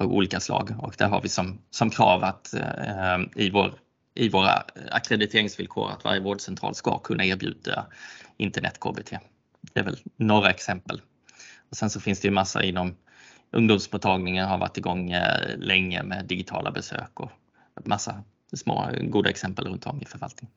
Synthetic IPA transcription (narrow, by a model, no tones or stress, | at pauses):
ṵːliːkaslɑ̰ːɡɔkd̪æɾɦaɾvɪsɔmsɔmkʰɾɑːvat̪ | ɪvoːɾ | ɪvoːɾa̰akɾɛd̪ɪt̪ʰeːɾɪŋsvɪlkʰoːɾat̪va̰ɾjəvoːɖsɛnt̪ʰɾɑ̰ːlskɑkʰɵnːaeːɾbjʉ̟̰ːd̪aɪnt̪əɳɛt̪ːkʰoːbet̪ʰeː | d̪̥ɛævɛlnɔɾːaɛksɛmpəl | ɔsɛnsɔfɪnsd̪ɛjɵmasːaʔɪnːɔm | ʔɵŋd̪ʊːmsmuːt̪ʰːɑːɡnɪŋənɦaɾva̰ʈːɪɡɔŋːlɛŋːə̰meːd̪ɪɡɪt̪ʰɑːlʔabɛsø̰ːkɔ | mʔasːa | smo̰ːɡuːd̪aɛksɛmpəlɾɵnt̪ɔmːɪfœɾvalt̪nɪŋ